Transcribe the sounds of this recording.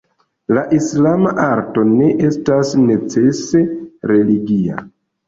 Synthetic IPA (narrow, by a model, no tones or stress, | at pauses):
laʔislamaʔaɾto̞ne̞ʔe̞stasne̞t͡se̞se̞ɾe̞liɡia̰